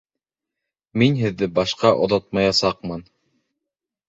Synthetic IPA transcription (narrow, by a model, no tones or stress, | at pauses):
minɦɘ̆ðːɘbɑʃqɑʔŏ̰ðot̪̚mɑjɑsɑqmɤn